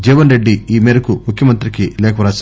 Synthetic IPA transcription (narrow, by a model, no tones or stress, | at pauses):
d͡ʒiːʋɐnɾe̞ɖːiiːmeːɾɐkumukʰjɐmɐnt̪ɾikilɛːkʰɐʋɾaːs